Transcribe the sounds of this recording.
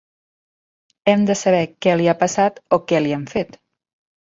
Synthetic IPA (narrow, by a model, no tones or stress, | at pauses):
ɛmd̪əsəβ̞ɛkɛliapəsat̪okɛliɛmfet̪